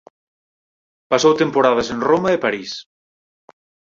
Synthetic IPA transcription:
pasowt̪empoɾað̞ɐsẽnromɐepaɾis

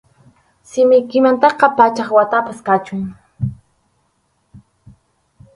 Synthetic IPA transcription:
sɪmɪjkɪmant̪ɑqɑpat͡ʃɑχwat̪apaskat͡ʃʊŋ

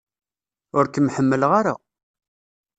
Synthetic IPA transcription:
ʊɾkəmħəmːəlʁaɾa̰

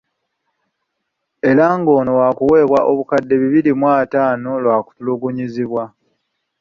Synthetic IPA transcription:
e̞ɾaŋɡo̞ːnowakuwe̞ːβwaʔo̞βukadːe̞βiβilimwaːtaːnolwaːku̥tuluɡuɲiziβwa

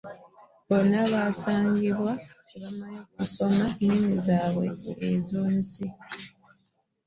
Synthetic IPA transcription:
βonːaβaːsaːŋɟiβwaeβamajekuso̞manimizaːβwe̞̰ezuːnsi

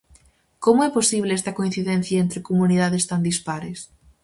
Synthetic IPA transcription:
komʊɛposiβ̞lɪɛst̪ɐkoin̟θiðen̟θjɐent̪ɾɪkomuniðaðest̪and̪ispaɾes

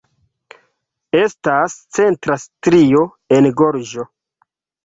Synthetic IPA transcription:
estast͡se̞ntɾastɾio̞ | e̞nɡoɾd͡ʒo̞

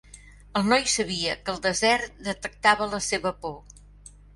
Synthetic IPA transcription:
əlˠnɔjsəβ̞iəkəlˠd̪əzɛɾt̪̚d̪ət̪ək̚t̪aβ̞ələseβəpo

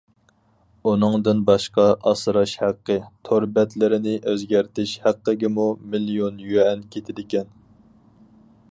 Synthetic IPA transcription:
unɨŋd̪ɨnbɑʃqɑʔɑsɾɑʃhæqːət̪ʰoɾbɛt̪lɪɾɪnɪʔøzɡʲæɾt̪ʰɪʃhæqːəɡʲɪmumilijonjøɛnkʲʰet̪ʰɪd̪ɪkʲɛn

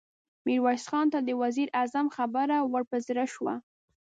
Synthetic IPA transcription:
miɾwɑsxɑnt̪ad̪əwaziɾʔazamxabaɾawaɽpəzɾaʃwa̰

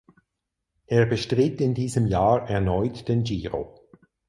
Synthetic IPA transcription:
ʔeːɐbəʃtʁɪtɪndiːzəmjaːʔɛɐnɔʏtd̥eːnd͡ʒiːʁo̰

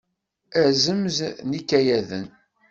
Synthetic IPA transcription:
æzəmznikːæjæðə̰n

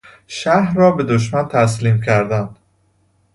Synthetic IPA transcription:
ʃæhɾɒːbe̞d̪oʃ̬mænt̪ʰæs̬liːmcʰæɾd̪ænd̪̥

